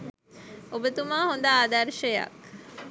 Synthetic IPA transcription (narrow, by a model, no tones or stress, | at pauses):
obet̪umaːhond̪aːd̪ɐɾʃeja̰k